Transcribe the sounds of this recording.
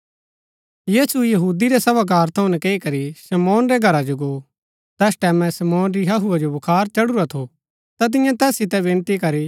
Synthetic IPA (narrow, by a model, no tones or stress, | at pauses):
jiːsujɐɦuːd̪iɾɛsɐbak̬aːɾt̪ʰɐʊ̃nɛkeːikɐɾisɐmɔːnɾɛɡʱɐɾad͡ʒoɡo | t̪ɛːsʈɛːmɛ̃sɐmɔːnɾiɦɐɦuad͡ʒobɐkʰaːɾt͡ʃɐɽʊɾat̪ʰo | t̪at̪̬ɪ̃jãt̪ɛːsɪt̪ɛʋɪ̃ːnt̪ikɐɾi